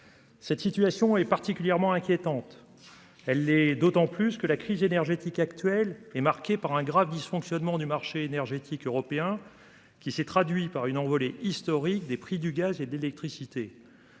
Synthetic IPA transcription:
sɛt̪sit̪ɥasjɔ̃ɛpaʁt̪ikʲyljɛʁmɑ̃ɛ̃kʲjet̪ɑ̃t̪ | ɛlːɛd̪ot̪ɑ̃plyskəlakχizenɛʁʒet̪ikakt̪ɥɛlɛmaʁkʲepaʁɛ̃ɡʁavd̪isfɔ̃ksjɔnmɑ̃d̪ymaʁʃeenɛʁʒet̪ʰikøʁɔpeɛ̃ | kʲisɛt̪χad̪ɥipaʁynɑ̃vɔleʔist̪ɔʁik̚d̪epχid̪yɡazed̪əlelɛk̚t̪χisit̪e

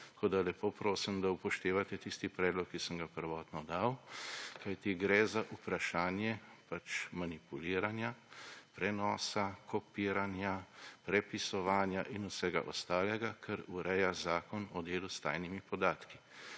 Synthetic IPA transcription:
ttt̪ḁkoːd̪alɛpoːpɾoːsimd̪aupɔʃt̪eːʋat̪ɛt̪ist̪ipɾɛːd̪lɔkːisəmɡapəɾʋɔːt̪nɔd̪awkajt̪iɡɾɛzaʔupɾaʃaːnjɛpat͡ʃmanipuliːɾanjapɾɛnɔːsakʰɔpiːɾanjapɾɛpisɔʋaːnjaʔinusɛɡa̰ʔɔst̪aːlɛɡakʰɛɾuɾɛjazaːkɔnɔd̪eːlust̪a̰ːjnimipɔd̪aːt̪ki

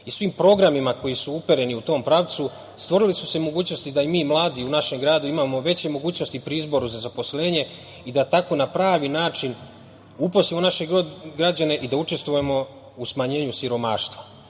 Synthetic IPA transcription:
isʋiːmpɾo̞ɡɾamimako̞jisuupe̞ɾe̞niut̪o̞ːmpɾaʋt̪su | st̪ʋo̞ɾilisuse̞mo̞ɡuːt͡ɕno̞st̪id̪aimiːmlˠaːd̪iunaʃe̞mɡɾaːd̪uimamo̞ʋe̞t͡ɕe̞mo̞ɡuːt͡ɕno̞st̪ipɾiizbo̞ɾuzazapo̞sle̞ːɲe̞ | id̪at̪ako̞napɾaːʋinaːt͡ʃin | uposimonaʃe̞ɡod̪ɡɾad͡ʑane̞ʔid̪aut͡ʃe̞st̪ʋojemo̞ | usmaɲe̞ːɲusiɾo̞ma̰ːʃt̪ʋa

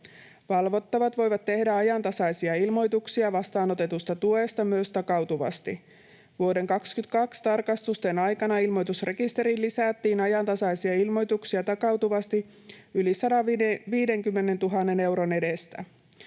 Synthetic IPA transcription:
ʋɑlʋo̞t̪ːɑʋɑt̪ʋo̞jʋɑt̪ːe̞hdæɑjɑnt̪ɑsɑjsiɑilmo̞jt̪uksiɑʋɑst̪ɑːno̞t̪e̞t̪ust̪ɑt̪ue̞st̪ɑmyøst̪ɑkɑwt̪uʋɑ̰st̪i | ʋuode̞ŋkɑkskyt̪kɑkst̪ɑrkɑst̪ust̪enɑjkɑnɑilmo̞jt̪usre̞kist̪e̞ɾilːisæt̪ːiːnɑjɑnt̪ɑsɑjsiɑilmo̞jt̪uksiɑt̪ɑkɑwt̪uʋɑst̪i | ylisɑdɑʋiːde̞ŋkymːe̞ne̞nt̪uɦɑnːe̞ne̞wɾo̞ne̞dest̪æ̰

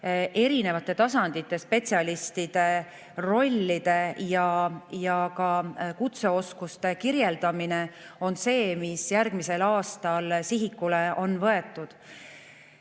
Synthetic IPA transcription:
ʔe̞ɾine̞vɑt̪ːˑe̞t̪ɑsɑnd̪̥it̪ːˑe̞spe̞tʲsiɑlist̪id̪̥e̞ | ro̞lʲːid̪̥e̞jɑjɑkɑkut̪se̞o̞skust̪e̞kiɾjeld̪ɑmine̞o̞nse̞ːmisjærɡ̥mise̞lɑːst̪ɑlsiɦikːuleʔo̞nvɤe̞t̪ːˑud̪̥

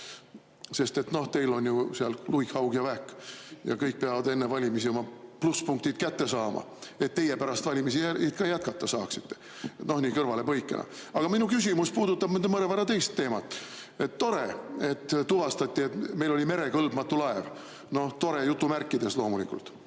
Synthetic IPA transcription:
se̞st̪e̞t̪no̞ht̪e̞jlo̞nʲjuseɑllujkhɑwɡjɑvækːˑjɑ̰kɤjk̚pe̞ɑvɑd̪e̞nːevɑlʲimisio̞mɑpluspuŋk̚t̪id̪̥kæt̪ːe̞sɑːmʔɑ̰ | e̞t̪ːe̞je̞pæɾɑst̪vɑlʲimisiæet̪kɑjæt̪̚kɑt̪ːɑsɑːksi̥t̪ːe̞̥ | no̞hniːkɤrvɑle̞pɤjkːˑenɑ̰ɑɡ̥ɑminukys̬ʲimuspuːd̪ut̪ːɑb̥ẽnd̪emɤɾevɑɾɑt̪e̞jst̪ːe̞ːmɑt̪ːˑ | e̞t̪ːo̞ɾe̞e̞t̪ːt̪uvɑst̪ɑt̪ʲːie̞t̪me̞jlo̞lʲime̞ɾe̞kɤlb̥mɑt̪ːulɑe̞v | no̞ht̪o̞ɾe̞jut̪ˑːumærkːˑid̪̥e̞slo̞ːmulikˑult̪

